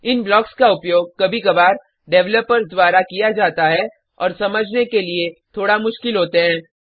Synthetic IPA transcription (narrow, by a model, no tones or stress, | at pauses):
ɪnblɔːkskaʊpjoːɡ̚kɐbʱikɐbaːɾ | ɖɛʋləpəɾd̪waːɾakijad͡ʒaːt̪aɦɛ | ɔ̰ːɾsɐməd͡ʒʱnekeliet̪ʰoːɽamʊʃkɪlɦoːt̪eɦɛ̃ː